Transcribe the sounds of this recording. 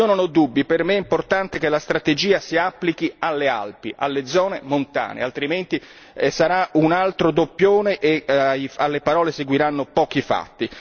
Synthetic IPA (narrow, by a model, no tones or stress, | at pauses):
ononɔd̪ːubːipermeɛimport̪ant̪ek̟elast̪ɾat̪ed͡ʒiːasiapːlik̟ialːea̰lpiʔa̰lːed̪zɔːnemont̪a̰ːnḛalt̪ɾiment̪i | saɾaunalt̪ɾod̪opːjoːneʔejalːepaɾɔːleseɡwiɾanːopɔːkifa̰t̪ːi